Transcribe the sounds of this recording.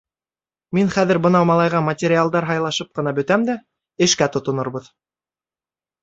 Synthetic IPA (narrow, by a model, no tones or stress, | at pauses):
minχæðɘɾbɤ̆nɑwmɑlˠɑjʁɑmɐtʲeɾʲɪalˠd̪ɑɾɦɑjlˠɑʃɤp̚qɤ̆nɑbɵ̆t̪æmd̪æ | ɘ̆ʃkæt̪ŏt̪ŏnŏɾbɤð